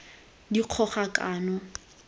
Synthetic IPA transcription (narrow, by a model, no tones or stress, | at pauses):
diq͡χʰɔχakʼaːnɔ